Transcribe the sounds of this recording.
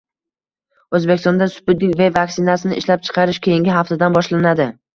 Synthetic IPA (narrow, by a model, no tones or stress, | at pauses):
ɵzbekʲɪst̪ɒnd̪asʊ̥pɪd̪ɪkʲvevakʲsɪnasɪnɪɪʃlap̚t͡ʃʰɨ̥qʰɑɾɪʃkʲʰejɪŋɡʲɪɦaft̪ʰad̪anbɒʃlanad̪ɪ